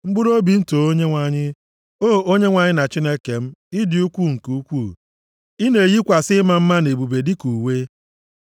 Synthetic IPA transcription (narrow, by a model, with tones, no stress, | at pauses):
ŋ͡m̩˦ɡ͡bʊ˦ɾo˦bi˨n̩˦to˨o˦ɲe˦ŋʷa˨ɲɪ˦ | o˦˨o˦ɲe˦ŋʷa˨ɲɪ˦na˨t͡ʃi˦ne˦ke˨m̩˦i˦dɪ˨u˦kʷu˦˨ŋ̩˨ku˨u˦kʷu˦˨ | i˦ne˨ji˦kʷa˨sɪ˦ma˦m̩˦ma˦ne˨bu˨be˨dɪ˦ku˨we˦